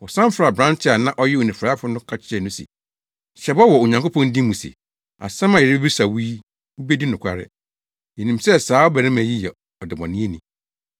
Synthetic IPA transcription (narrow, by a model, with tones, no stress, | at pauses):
wɔ˨sã˦m˦fɾa˨bɾã˦ntʰɪ˦a˨nã˦ʔɔ˦jɛ˦o˨nĩ˨fɾaː˦fʊ˦nʊ̃˦kʰa˦t͡ɕʰɪ˦ɛ˨nʊ̃˦sɛ̰˨ | ɕɛ˨bɔ˦wɔ˨o˨ɲã˨ŋko˦pʰɔ̃˦n˦dĩ˦mũ˨sḛ˨ | a̰˨sã˦mã˨ɛ˨ɾɪ˦bɛ˦bi˦sa˨wiː˦ | u˦be˦di˦nʊ̃˨kʷʰa̰˦ɾɪ̰˦ | jɛ˨nĩ˨msɛ˦saː˨˦ɔ˦bæ˨ɾɪ̃˦mæ̃˨ji˦jɛ˨ | ɔ˨dɪ˨bɔ̃˨nɪ̃˦e˦nĩ˨